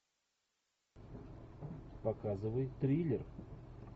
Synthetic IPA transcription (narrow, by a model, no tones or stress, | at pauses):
pakazɨvəjt̪ɾʲilʲɪr